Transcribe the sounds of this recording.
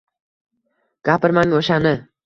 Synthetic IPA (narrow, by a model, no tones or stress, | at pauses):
ɡ̥ʲapɪɾmaŋoʃanɪ